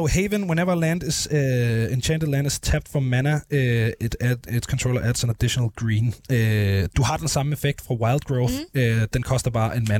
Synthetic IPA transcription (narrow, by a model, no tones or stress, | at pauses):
oʊheʋənwẽneʋɐlæ̃ndɪ̝sent͡ʃʰæ̃nd̥əd̥læ̃nd̥ɪst͡sʰæb̚d̥fɒmænəɪdæed̥skʰɒnt͡sʰʁoʊlɐʔæd̥senæd̥iʃonəl̩ˠɡ̥ɹiːnød̥uhɑ̈d̥ensɑ̈məefeɡ̥̚d̥fʁɑ̈wɑ̈ɪlˠd̥̚ɡ̥ʁoʊθøð̥ænkʰɒ̽sd̥ɐb̥ɑ̈ːʔenmæn